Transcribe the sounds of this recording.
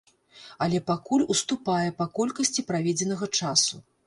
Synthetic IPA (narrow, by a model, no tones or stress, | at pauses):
ɐlʲɛpakulʲust̪upajɛpakɔlʲkɐsʲt͡sʲipɾavʲɛd͡zʲɛnɐɣɐt͡ʂasu